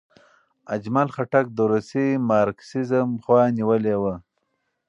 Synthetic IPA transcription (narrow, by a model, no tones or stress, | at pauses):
ad͡ʒmalχaʈak̚d̪əɾusimɑɾksizəmχwɑniwəlewə